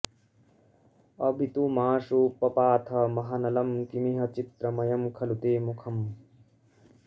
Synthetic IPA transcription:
ɐbʱit̪umaːʂuːpɐpaːt̪ʰɐmɐɦɐnɐlɐmkimiɦɐt͡ʃit̪ɾɐmɐjɐmkʰɐlut̪eːmukʰɐm

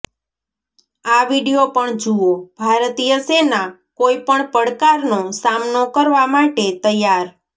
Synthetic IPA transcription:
aʋiɽijopəɳd͡ʒuob̥ʱaɾt̪ijəsenakoipəɳpəɽkaɾnosamnokəɾʋamaʈet̪əjːaɾ

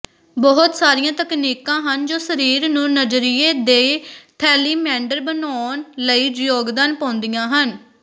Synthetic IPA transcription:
bɔɦʊt̪saːɾijãːt̪əkniːkãːɦənd͡ʒoːsəɾiːɾnũːnəd͡ʒɾɪːeːd̪eːt̪ʰɛːliːmɛ̃ːɳɖəɾbənɔːnləiːd͡ʒjoːɡd̪aːnpãːnd̪ijãːɦən

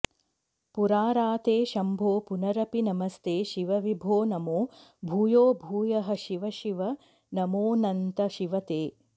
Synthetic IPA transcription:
puɾaːɾaːt̪eːʃɐmbʱoːpunɐɾɐpinɐmɐst̪eːʃiʋɐʋibʱoːnɐmoːbʱuːjoːbʱuːjɐɦɐ̆ʃiʋɐʃiʋɐ | nɐmoːnɐnt̪ɐʃiʋɐt̪eː

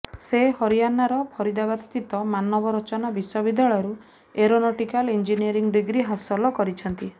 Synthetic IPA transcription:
sehɔɾijanaɾɔpʰɔɾid̪abad̪st̪it̪ɔmanɔbɔɾɔt͡ʃɔnabiswɔbid̪jaɭɔjɔɾu | eɾonɔʈikalind͡ʒiniɔɾiŋɡɖiɡɾiɦasɔlɔkɔɾit͡ʃʰɔnt̪i

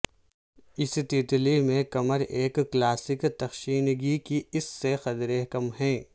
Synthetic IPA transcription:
ɪsʈiʈlimẽkɐməɾeːkːlaːsɪkt̪ɐxʃiːnɡikiɪsːexɐt̪ɾekɐmɦɛ̃ː

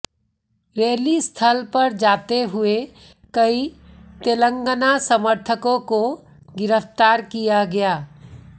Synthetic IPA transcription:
ɾeːlist̪ʰəlpɐɾd͡ʒaːt̪eɦʊe | kəit̪elə̃ŋɡənasəməɾt̪ʰəkõko | ɡɪɾəpʰt̪aːɾkijaɡɐjaː

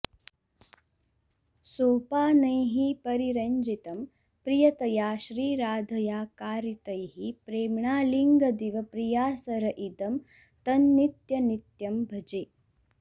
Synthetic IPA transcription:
soːpaːnɐjɦipɐɾiɾɐɲd͡ʒit̪ɐm | pɾijɐt̪ɐjaːʃɾiːɾaːd̪ʱɐjaːkaːɾit̪ɐjɦipɾeːmɳaːliŋɡɐd̪iʋɐpɾijaːsɐɾɐʔid̪ɐm | t̪ɐnːit̪jɐnit̪jɐmbʱɐd͡ʒeː

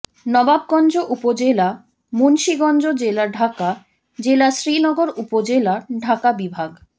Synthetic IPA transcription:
nɔbab̚ɡɔnd͡ʑoʔupod͡ʑela | munʃiɡɔnd͡ʑod͡ʑelaɾɖʱaka | d͡ʑelaʃɾinɔɡoɾupod͡ʑelaɖʱakabibʱaɡ

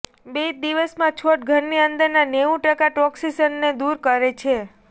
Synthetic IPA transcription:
bed̪iʋəsmãt͡ʃʰoʈ̚ɡʱəɾniənd̪əɾnaneũʈəkaʈɔksisənːed̪uɾkəɾet͡ʃʰe

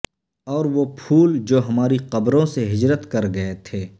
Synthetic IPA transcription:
ɔːɾʋopʰuːld͡ʒoːɦɐmaːɾiqɐbɾõseɦɪd͡ʒɾət̪kɐɾɡɐet̪ʰeː

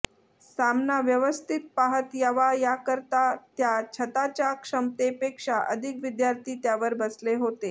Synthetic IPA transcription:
samnaʋjəʋəst̪ʰit̪̚paɦət̪jaʋajakəɾt̪at̪jat͡ɕʰət̪at͡ɕjakʂəmt̪epekʂaʔə̰d̪ʱikʋid̪jaɾt̪ʰiːt̪jaʋəɾbəsleɦot̪e

